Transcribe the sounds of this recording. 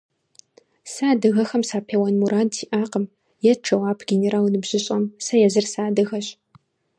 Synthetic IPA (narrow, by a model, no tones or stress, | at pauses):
saːdɨɣɐxɐmsaːpʰeːwɐnmuɾaːdʰiːʔaːqəm | jɛʈ͡ʂʰɐwaːpʰɡʲeneɾaːlnɨbʑɪɕʼɐmsɐjɛzɨrsaːdɨɣɐɕʼ